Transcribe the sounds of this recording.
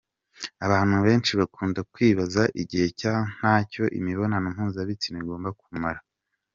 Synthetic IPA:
aβaːn̥huβe̞ːnt͡ʃiβakuːndakwiːβazaʔiɟihe̞can̥haːco̞ʔḭmiβo̞nanamhuːnzaβit͡sineɡo̞ːmbakumaɾa

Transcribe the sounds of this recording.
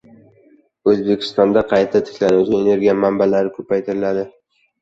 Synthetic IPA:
ɵzbe̞kʲʰɪ̥st̪ɒnd̪aqʰɑjt̪ʰat̪ʰɪ̥kʲlanud͡ʒɪene̞ɾɡʲijamambalaɾɪkʰɵpʰajt̪ʰɪɾɪlad̪ɪ

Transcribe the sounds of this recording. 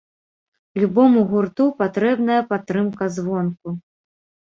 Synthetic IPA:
lʲubɔmuɣurt̪upat̪ɾɛbnɐjɐpat̪ːɾɨmkɐzvɔnku

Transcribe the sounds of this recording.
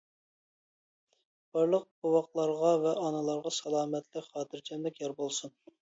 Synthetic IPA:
b̥ɑɾlˠəq̚bowɑqlˠɑɾʁɑvɛʔɑnɨlˠɑɾʁɑsɑlˠɑːmɛt̪lɪχɑːt̪ʰɪɾt͡ʃʰɛmd̪ɛkʲjɑɾbolˠsun

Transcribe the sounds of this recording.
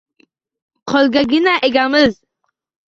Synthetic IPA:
qʰɒlˠɡʲaɡʲɪnaʔeɡʲamɪz

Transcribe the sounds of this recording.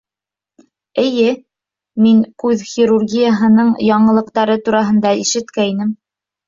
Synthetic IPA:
ɘ̆jɘ | miŋkʉðxʲiɾurɡʲijaɦɤ̆nɤɴjɑɴɤ̆lˠɤ̆qt̪ɑɾɤt̪uɾɑɦɤ̆nd̪ɑiʃɘ̆t̪kæinɘm

